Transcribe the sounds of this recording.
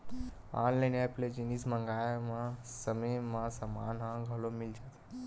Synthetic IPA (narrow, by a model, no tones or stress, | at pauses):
ãnlajnɛpled͡ʒinismə̃ŋɡajmãsəməjmãsəmaːnɦãɡʱəlomɪld͡ʒat̪ʰ